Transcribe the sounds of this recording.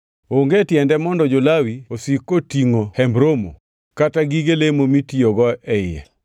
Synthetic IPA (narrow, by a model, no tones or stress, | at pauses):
oŋɡetjɛndɛmɔndɔd͡ʒolawiosikotiŋohɛmbɾomo | kataɡiɡelemomitioɡɔʔɛjɛ̰